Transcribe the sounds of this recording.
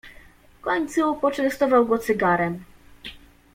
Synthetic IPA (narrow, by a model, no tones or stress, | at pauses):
fkɔɲt̪suupɔt͡ʂɛnst̪ɔvawɡɔt̪sɘɡaɾɛm